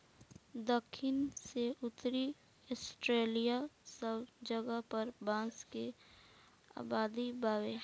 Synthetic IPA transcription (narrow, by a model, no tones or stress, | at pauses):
d̪əkʰːɪnseʊt̪ɾi | ɔsʈɾeːlijasəbd͡ʒəɡəpəɾbãːske | a̰ːbaːd̪ibaːʋe